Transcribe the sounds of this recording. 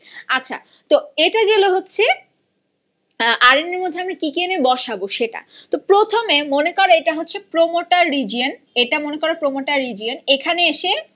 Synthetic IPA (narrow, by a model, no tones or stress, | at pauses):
atːɕʰa̰ | t̪oeʈaɡeloɦotːɕʰe | ʔaɾineɾmod̪ʱeamɾakikenebɔʃaboʃeʈa̰t̪opɾot̪ʰomemonekɔɾaeʈaɦotːɕʰepɾomoʈaɾːid͡ʑion | eʈamonekɔɾapɾomoʈaɾːid͡ʑionekʰaneeʃe